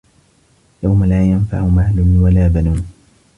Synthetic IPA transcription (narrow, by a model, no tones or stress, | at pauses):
jawmalaːjanfa̰ʕʊmaːlʊnwalaːbanuːn